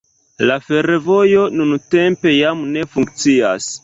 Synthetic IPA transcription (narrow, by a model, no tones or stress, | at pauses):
lafe̞ɾevo̞jo̞nunte̞mpe̞jamne̞fuŋkt͡sia̰s